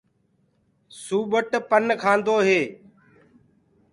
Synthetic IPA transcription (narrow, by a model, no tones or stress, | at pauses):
suːɓəʈpənkʰaːnd̪oːɦeː